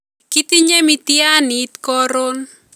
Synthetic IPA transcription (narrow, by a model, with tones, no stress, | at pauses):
ki˦t̪i˦ɲe˦mi˦t̪ia˦ni˨t̪kɔ˦ɾo˦n